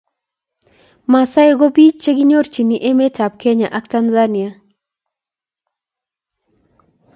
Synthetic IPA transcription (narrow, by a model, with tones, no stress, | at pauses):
ma˨sa˦e˦ɡo˦bi˦t͡ʃt͡ʃe˦ɡi˦ɲo˦ɾt͡ʃi˨ni˨ʔe˦me˦tʰa˨p̚ke˦ɲa˨ʔa˦kta˦nza˦ni˨ja˨